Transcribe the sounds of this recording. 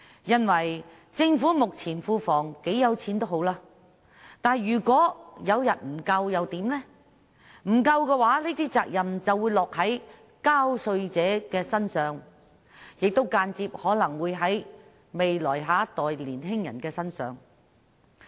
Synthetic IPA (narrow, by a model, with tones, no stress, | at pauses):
jɐ˧nwɐ˨˩j | t͡sɪ˧ŋfuː˨˥mʊ˨k̚t͡sʰiː˨˩nfuː˧fɔː˨˩ŋke˨˥jjɐ˨˧wt͡sʰiː˨˥nt̪o˥wɦo˨˥wlaː˧ | t̪aː˨jyː˨˩kʷɔː˨˥jɐ˨˧wjɐ˨˩t̚m̩˨˩kɐ˧wjɐ˨˧wt̪iː˨˥mlɛː˥ | m̩˨˩kɐ˧wkɛː˧waː˨˥liː˥t̪ʰiː˥t͡sa̰ː˧k̚jɐ˨mt͡sɐ˨wuː˨˧jlɔː˨k̚hɐ˨˥j | kaː˥wsɵ˧ɥt͡sɛː˨˥kɛː˧sɐ˥nsœː˨ŋ | jɪ˨k̚t̪o˥wkaː˧nt͡siː˧p̚hɔː˨˥lɐ˨˩ŋwuː˨˧jɦɐ˨˥j | me˨jlɔː˨˩jɦaː˨˥t̪ɔː˨jliː˨˩nɦɪ˥ŋjɐ˨˩nkɛː˧sɐ˥nsœ̰ː˨˧ŋ